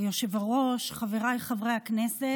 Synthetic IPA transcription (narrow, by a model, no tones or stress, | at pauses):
joʃevaʁo̞ʃχaveʁajχavʁejhaknese